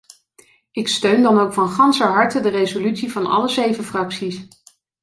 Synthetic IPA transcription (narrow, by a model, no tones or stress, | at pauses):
ɪkstøɥndɑnowkfɑnχɑnsəɦɑɹtədərejzolytsivɑnɑ̰ləzejvəfrɑksis